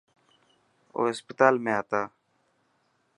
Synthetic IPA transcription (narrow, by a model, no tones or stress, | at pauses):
o̰ːəspɪt̪aːlmẽːaːt̪aː